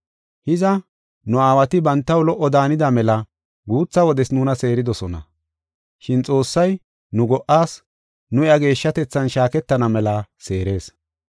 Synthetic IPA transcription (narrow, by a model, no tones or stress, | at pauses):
hɪzɐ | nʊaːwɐt̪ɪbɐnt̪ːɐwlɔʔːɔd̪aːnɪd̪ɐmɛlɐ | ɡuːt͡sːɐwɔd̪ɛsnuːnɐse̞ːɾɪd̪ɔsɔnɐ̰ | ʃɪnt͡sʼo̞ːsːɐj | nʊɡɔʔːaːs | nʊɪɐɡe̞ːʃːɐt̪ɛt͡sːɐnʃaːkɛt̪ːɐnɐmɛlɐse̞ːɾe̞ːs